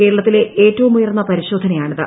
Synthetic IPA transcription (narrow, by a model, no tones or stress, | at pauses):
ke̞ːɻɐɭɐt̪ːile̞eːtːɐʋumːujɐrnːɐpɐɾiɕo̞ːd̪ʱɐnɐjaːɳiðɨ